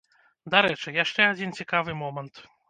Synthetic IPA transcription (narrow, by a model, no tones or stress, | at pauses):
d̪aɾɛt͡ʂɨjaʂt͡ʂɛad͡zʲint͡sʲikavɨmɔmɐnt̪